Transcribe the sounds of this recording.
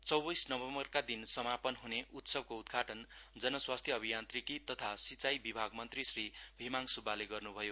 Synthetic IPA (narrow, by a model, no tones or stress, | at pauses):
t͡sʌwbisnʌbʌmʌrkad̪insʌmapʌnɦuneʔut̪sʌb̚koud̪ɡʱaʈʌnd͡zʌnʌswast̪ʰjʌʌbʱijant̪rikit̪ʌt̪ʰasit͡sajbibʱaɡmʌnt̪risribʱimaŋsubʱaleɡʌrnubʱʌjo